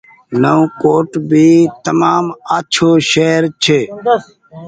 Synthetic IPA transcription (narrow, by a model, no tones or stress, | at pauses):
nəũkoːʈbʱiːt̪əmaːmaːt͡ʃʰoːʃeːɾt͡ʃʰeː